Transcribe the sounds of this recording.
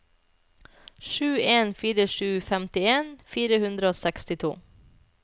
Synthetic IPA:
ʃʉːeːnfiːɾəʃʉːfɛmt̪ɪeːnfiːɾəhʉnd̪ɾəoːsɛkst̪ɪt̪ʰṵː

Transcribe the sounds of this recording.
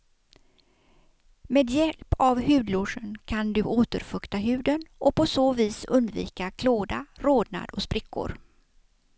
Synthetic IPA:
meːd̪jɛlpavhʉ̟ːd̪lʊʂənkʰand̪ɵʔoːt̪əɾfɵkt̪aɦʉ̟ːd̪ənɔpɔsoːviːsɵnd̪vḭːkakʰloːd̪aɾoːd̪na̰d̪ɔspɾɪkʰːʊ̰ɾ

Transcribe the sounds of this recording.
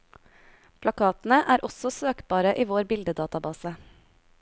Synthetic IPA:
pʰlɑkʰɑːt̪n̩əʔæːɾʔɔsɔsøːkbɑːɾəʔiːʋoːɾbɪld̪əd̪ɑːt̪ɑbɑːsə

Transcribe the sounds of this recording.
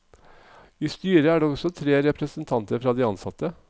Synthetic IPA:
iːst̪yːɾəæːɖeːɔsɔt̪ʰɾeːɾɛpɾəsənt̪ʰɑnt̪əɾfɾɑːd̪iːɑnsɑt̪ə

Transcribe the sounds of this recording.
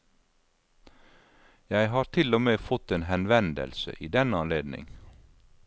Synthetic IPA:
jæɪhɑːɾt̪ʰɪlomeːfɔt̪eːnhɛnʋɛnd̪ə̰lsə̰ʔiːd̪ɛnəɑnleːd̪nɪ̰ŋ

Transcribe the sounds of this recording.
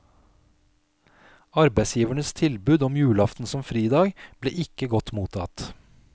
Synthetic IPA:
ɑɾbæɪsjiːʋəɳəst̪ʰɪlbʉːd̪ɔmjʉːlɑft̪n̩sɔmfɾiːd̪ɑːɡb̥lḛːʔɪkəɡɔt̪muːt̪ʰɑt̪

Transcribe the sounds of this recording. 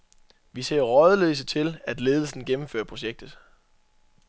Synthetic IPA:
ʋise̝̰ːɐʁɒðˠəlø̰ːs̬ət͡sʰe̝læd̥le̝ːð̞ˠl̩sn̩ɡ̥emm̩fø̰ːɐpʰʁo̝ɕeɡ̥̚d̥ðˠ

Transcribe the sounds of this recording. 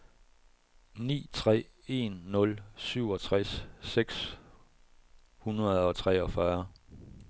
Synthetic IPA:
nḭːt͡sʰʁɛ̰ːe̝nːɔ̽lsyʊ̰ɒ̽t͡sʰʁasːeɡ̥s | hunʁɐð̩ˠɒ̽t͡sʰʁɛːɒ̽fɶɐ

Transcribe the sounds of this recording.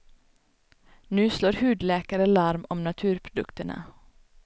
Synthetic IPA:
nʉːsloːɾhʉːd̪leːkəɾəlɑɾmɔmnɑt̪ʰʉːɾpʰɾʊd̪ʉ̰kt̪ənʔə̰

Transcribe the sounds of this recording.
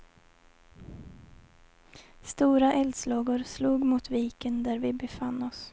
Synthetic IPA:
st̪uːɾaʔɛld̪slɑːɡʊɾsluːɡmʊt̪ʰviːkənd̪æɾvɪbɛfanːɔs

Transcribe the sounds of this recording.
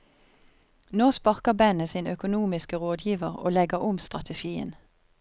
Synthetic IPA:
noːspɑʁkəbɛnəsiːnœkʊnuːmɪskəʁoːd̪jiːʋəʁo̰ːlɛɡəʁʊmst̪ʁɑt̪ʰəʃiːə̰n

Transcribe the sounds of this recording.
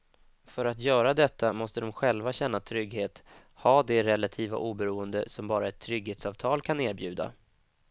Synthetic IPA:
fœɾat̪jœːɾad̪ɛt̪ːamɔst̪əd̪ɔmɧɛlvaɕɛnːat̪ʰɾʏɡheːt̪ | hɑːd̪ɛɾɛlat̪ʰiːva̰ʔuːbɛɾuːənd̪əsɔmbɑːɾaɛt̪ʰːɾʏɡheːt̪sɑːvt̪ʰɑːlkʰaneːɾbjʉ̟ːd̪a̰

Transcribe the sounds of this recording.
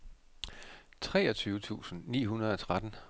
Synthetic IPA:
t͡sʰʁɛ̰ːɒt͡sʰyːʊət͡sʰṵːsn̩nḭːɦunɐð̞ˠɒ̽t͡sʰʁad̥n̩

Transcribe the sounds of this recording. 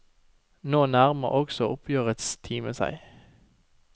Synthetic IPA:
noːnæʁmə̰ʔɔɡsɔʔʊpʰjøːʁət̪st̪ʰiːməsæ̰ɪ

